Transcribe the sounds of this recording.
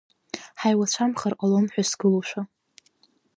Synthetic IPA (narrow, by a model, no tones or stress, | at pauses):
ħajwat͡ɕʷʰamχarqʼalomħʷᶣasɡɨluʃʷᶣa